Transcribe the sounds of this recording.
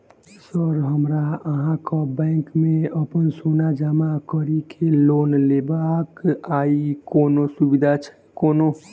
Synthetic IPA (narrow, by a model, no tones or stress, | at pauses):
səɾɦəmɾaəɦãkɔbɛ̃ːŋkmẽəpənsoːnad͡ʒəmakəɾikʰeloːnleːbakaːikoːnosubid̪ʱat͡ʃʰɛ̥ | koːno